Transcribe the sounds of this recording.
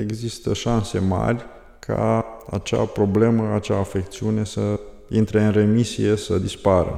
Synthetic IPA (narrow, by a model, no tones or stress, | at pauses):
e̞ɡzist̪əʃanse̞ma̰rʲ | kʰa̰at͡ʃa̰pɾo̞ble̞məat͡ʃa̰ːfe̞k̚t̪siune̞sə | int̪ɾe̞ɨnre̞misie̞səd̪ispaɾə̰